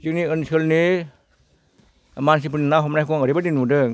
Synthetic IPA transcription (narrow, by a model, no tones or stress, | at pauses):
t͡ʃɯniənsəlni | mans̬ipʰɯninaɦɔmnakɔŋəɾibadinudɯŋ